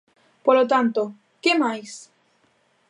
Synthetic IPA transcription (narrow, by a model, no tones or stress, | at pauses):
polot̪ant̪o | kemajs